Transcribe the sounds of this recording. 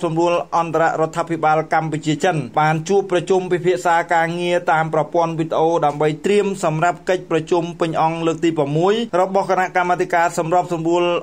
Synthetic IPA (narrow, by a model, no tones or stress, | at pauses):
sɑmruəlʔɑnt̪aɾa̰ʔɾŏət̪ʰːaːpʰiɓaːlkamput͡ɕiət͡ɕənɓaːnt͡ɕuəpːrɑt͡ɕumpipʰiəʔsaːkaːŋiət̪aːmprɑpŏənʋid̪ə̆ʔoːɗaəmɓəjt̪riəmsɑmrap̚kəc̚prɑt͡ɕumpɨɲʔɑŋləːk̚t̪iːpraəmːuəjrɔɓɑhkanaʔkamːaːt̪ʰikaːsɑmrap̚sɑmruəl